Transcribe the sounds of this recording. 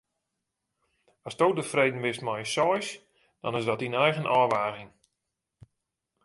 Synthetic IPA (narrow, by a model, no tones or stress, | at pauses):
ɔstoːdəfreːdn̩ʋɪstmajsɔjs | d̥ɔ̰nɪzdɔtinɛjɣənʔɔːʋaːɣɪŋ